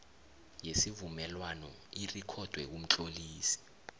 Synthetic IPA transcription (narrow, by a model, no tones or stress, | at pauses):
jesivumɛlwanɔ̰ | irikʰɔd̥ʱwɛk̬um̩t͡ɬʼoliːsi̥